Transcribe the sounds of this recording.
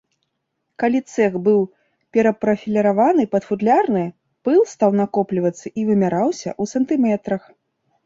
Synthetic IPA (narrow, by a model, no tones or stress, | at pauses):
kalʲit̪sɛxbɨw | pʲɛɾɐpɾɐfʲilʲɐɾavanɨpɐd̪fud̪lʲarnɨ | pɨlˠst̪awnakɔplʲivɐt̪sːɐʔivɨmʲaɾawsʲɐ̰ʔusɐnt̪ɨmɛt̪ɾɐx